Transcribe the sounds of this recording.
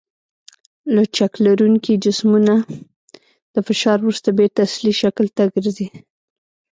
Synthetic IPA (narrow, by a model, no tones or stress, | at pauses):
lat͡ʃaklaɾuŋkid͡ʒɪsmuna | d̪̥əfɪʃɑɾwɾust̪abet̪asliʃaklt̪aɡəɾzi